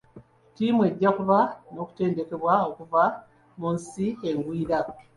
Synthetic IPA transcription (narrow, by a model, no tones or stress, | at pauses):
tiːmwe̞ɟːakuβano̞ːku̥te̞ːnde̞ke̞βwao̞kuva | munsieŋɡwiiɾa